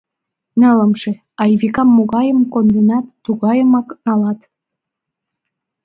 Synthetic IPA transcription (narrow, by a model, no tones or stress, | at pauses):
nələmʃe | ɑjβikɑmːoɣɑjəmkond̪ənɑt̪ːuɣɑjəmɑknɑlɑt̪